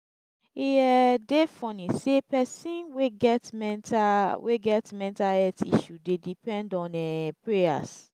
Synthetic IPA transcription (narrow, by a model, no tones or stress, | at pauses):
iɛdefɔ̃nĩsepɛsĩnweɡɛtmɛntaweɡɛtmɛ̃ntaɛtḭʃudedipɛ̃ndɔ̃nɛpɹeja̰s